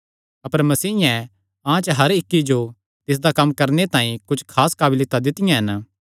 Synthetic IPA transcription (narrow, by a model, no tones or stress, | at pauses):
ɐpəɾmɐsiːɪjɛ̃ | ãt͡ʃɦɐɾɪkːid͡ʒo | t̪ɪs̬d̪akɐmːkɐɾnet̪ãːĩkʊt͡ʃʰkʰaːskaːbɪlɪt̪ːad̪ɪt̪ɪjãɦɐn